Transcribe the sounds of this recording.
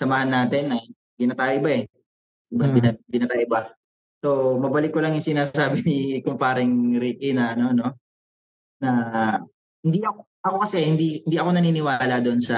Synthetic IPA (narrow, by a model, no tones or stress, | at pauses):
sɐmaːhɐnːaːt̪ɪnːɐj | ɡ̪inɐt̪aːjʊbaɛ | ɪbanbɪnɡ̪ɪinɐt̪aːjʊba | so̞mɐbɐlɪkːolɐŋjʊŋsɪnaːsaːbɪnɪkʊmpaːɾɪŋɾiːkɪnɐɐno̞no̞ | nɐ | hɪnd̪iʔɐko | ʔɐko̞kɐsɛhɪnd̪ihɪnd̪iʔɐko̞nɐniːnɪwaːlɐd̪oʔnsɐ